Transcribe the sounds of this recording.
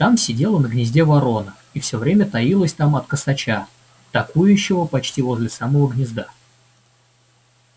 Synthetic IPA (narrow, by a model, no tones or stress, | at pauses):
t̪amsʲɪdʲe̞lˠənəɡnʲɪzʲdʲe̞vɐɾo̞nə | ifsʲɵvɾʲemʲət̪ɐilˠəsʲt̪amɐt̪kəsɐt͡ɕa | t̪ɐkujʉɕːɪvəpɐt͡ɕtʲivo̞zʲlʲɪsaməvəɡnʲɪzd̪a